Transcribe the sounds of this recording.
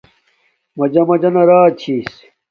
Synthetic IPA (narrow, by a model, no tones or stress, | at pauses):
mɐd͡ʑɐmɐd͡ʑɐnɐɾaːt͡ɕʰiːs